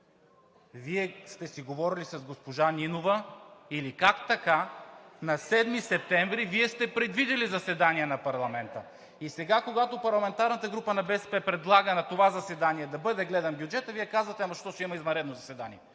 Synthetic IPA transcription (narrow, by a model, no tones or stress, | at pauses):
viɛst̪ɛsiɡovɔɾilisɐzɡospoʒaninovəilikakt̪ɐkanɐsɛd̪misɛp̚t̪ɛɱvɾiviɛst̪ɛpɾɛd̪vid̪ilizɐsɛd̪aniɛnɐpɐɾlˠɐmɛnt̪ə | isɛɡakoɡat̪opɐɾlˠɐmɛnt̪aɾnət̪əɡɾupənɐbɛsɛpɛpɾɛd̪lˠaɡənɐt̪ovazɐsɛd̪aniɛd̪ɐbɤd̪ɛɡlɛd̪ɐmbjud͡ʒɛt̪əviɛkazvət̪ɛnɐʃt̪ɔsimɐizmɐɾɛd̪nozɐsɛd̪aniɛ